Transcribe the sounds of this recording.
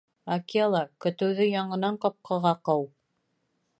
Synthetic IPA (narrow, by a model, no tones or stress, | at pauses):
akialˠɑkɵ̆t̪ɘ̆wðɵjɑɴɤ̆nɑɴqɑp̚qʰɤ̆ʁɑqɤw